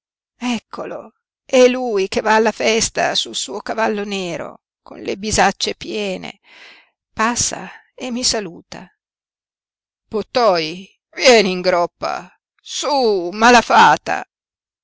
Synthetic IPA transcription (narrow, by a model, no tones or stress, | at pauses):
ɛkʰːolo̰ | ɛlːujk̟evaːlːafɛst̪a̰sulsuːokavalːonɛːɾo̰ | ko̰nlebizat͡ʃːepjɛːnḛ | pasːa̰ | emːisaluːt̪a̰ | pot̪ːɔj | vjɛːniŋɡɾɔpːa̰ | sumalafaːt̪a̰